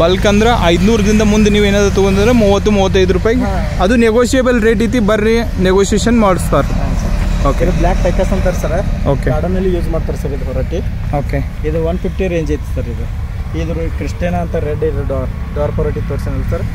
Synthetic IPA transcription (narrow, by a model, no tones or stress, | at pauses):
bɐlkɐnd̪ɾɐʔɐjd̪nuːɾɐd̪ind̪ɐmund̪uniːʋeːnaːd̪ɾut̪uɡont̪ind̪ɾemuːʋɐt̪ːumuːʋɐt̪ːɐjd̪uɾupaːjiɡ | ɐd̪uneɡoːʃieːbɐlɾeːʈɾiːt̪̬ibɐɾːi | neɡoːʃieːʃɐnmaːɽst̪aːɾsɐoːkeublaːk̚ʈɐjkɐsɐnt̪ɐɾsɐɾeoːkeaːɽɐmelːijuːd͡ʒmaːɖt̪ɐːɾsɐɾeid̪upɔɾaːʈi | oːke | id̪uʋɐnpʰipʰʈiɾeːɲd͡ʒɐjt̪st̪aɾid̪u | id̪ɾukɾiʂʈeːnaːnt̪ɐɾeɖɐd̪ɾuɖaːɾ | ɖaːɾpɔɾaːʈit̪oɽsɐnɐlsɐɾe